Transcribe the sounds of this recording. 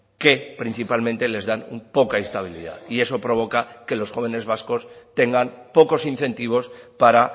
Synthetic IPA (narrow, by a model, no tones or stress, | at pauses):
ke̞pɾin̟θipalment̪e̞le̞zðanupo̞kaist̪aβ̞ilḭða̰ie̞so̞pɾo̞β̞o̞kake̞lo̞sxo̞β̞e̞ne̞zβasko̞st̪e̞ŋɡanpo̞ko̞sinθe̞nt̪iβ̞o̞spaɾa